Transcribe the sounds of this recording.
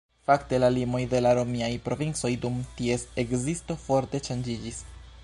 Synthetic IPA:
fakte̞lalimo̞jde̞laɾo̞miajpɾo̞vint͡so̞jdumtie̞sekzisto̞fo̞ɾte̞ʃand͡ʒid͡ʒis

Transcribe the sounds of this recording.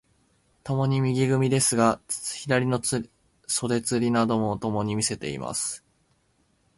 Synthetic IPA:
t̪o̞mo̞ɲ̟imʲiɡʲiɡɯ̟mʲid̪e̞sɨɡḁçid̪aɾʲino̞ | so̞d̪e̞t͡sɨɾʲinad̪o̞mo̞t̪o̞mo̞ɲ̟imʲise̞t̪e̞ḭmʔa̰sɨ̥

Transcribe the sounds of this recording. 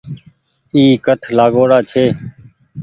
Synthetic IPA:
iːkəʈʰlaːɡoːɽaːt͡ʃʰeː

